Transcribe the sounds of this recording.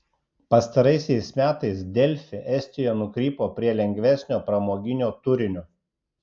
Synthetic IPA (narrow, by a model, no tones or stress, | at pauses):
pɐst̪ɐɾɐɪsʲɛɪsmʲæːt̪ɐɪsd̪ʲɛlʲfʲɪʔɛsʲt̪ʲɪjonʊkɾʲiːpoːpʲɾʲiɛlʲɛŋʲɡʲʋʲæˑsʲnʲoːpɾɐmoːɡʲɪnʲoːt̪ʊɾʲɪnʲʊ